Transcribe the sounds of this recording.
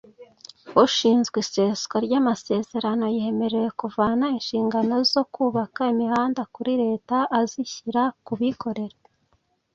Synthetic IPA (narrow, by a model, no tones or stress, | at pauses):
huʃiːnzɡise̞ːskoɾɟamase̞ːze̞ɾano̞jihe̞me̞ɾe̞je̞kuvaːnainʃiːŋɡano̞zo̞kuːβakaimihaːndakuɾiɾe̞ːtaʔːziçiɾakuβiko̞ɾeɾa